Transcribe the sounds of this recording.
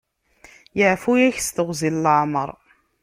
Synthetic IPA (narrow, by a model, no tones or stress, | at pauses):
jəʕfujæçst̪əʁzilləʕmə̰ɾˤ